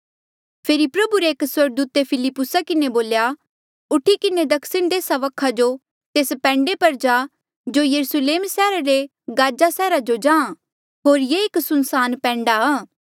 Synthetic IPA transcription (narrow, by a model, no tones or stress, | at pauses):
pʰeːɾipɾɐbuɾeːkswɐɾɡ̚d̪uːt̪epʰɪlɪpːʊsakɪneboːlja | ʊʈʰikɪned̪ɐkʰsɪɽ̃d̪eːsaʋɐkʰad͡ʒo | t̪eːspɛ̃ːɳɖepɐɾd͡ʒaː | d͡ʒoːjɐɾusleːmsɛːɾaɾe | ɡaːd͡ʒasɛːɾad͡ʒod͡ʒãːã | ɦoːɾjeɪksʊnsaːnpɛ̃ːɳɖaaː